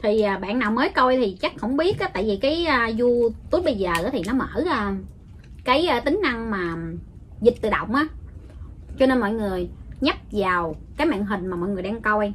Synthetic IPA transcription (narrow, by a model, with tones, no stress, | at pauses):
t̪ʰi˨˩ʔəː˨˩ɓa̰ː˧˨naː˨˩wməː˨˦jko˧jt̪ʰi˨˩t͡ɕa˦˥k̚hə̰˧˥wŋ͡mɓi˦˥ət̚ʔaː˨˦t̪a̰ː˧˨jvi˨˩kaː˨˦jəː˧zu˧t̪u˨˦˥t̚ɓə˧jzəː˨˩ʔːt̪ʰi˨˩nɔ˨˦mə̰ː˧˥˩ʔə˧ | kaː˨˦jʔəː˧t̪ï˨˦ŋ̟na˧ŋmaː˨˩ | zï˨˩t̟̚t̪ɨ˨˩ɗə̰˨wŋ͡mʔaː˨˦ | t͡ɕɔ˧ne˧nmɔ̰˧˨jŋɨ˨˩əjɲa˦˥t̚vaː˨˩wkaː˨˦jma̰ː˧˨nɦï˨˩ŋ̟maː˨˩mɔ̰˧˨jŋɨ˨˩əjɗaː˧ŋko˧j